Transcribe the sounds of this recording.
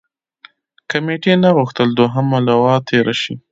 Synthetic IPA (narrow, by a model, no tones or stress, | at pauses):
kameʈenaɣuxt̪əld̪oɦamalawɑt̪ʰeɾʔaʃi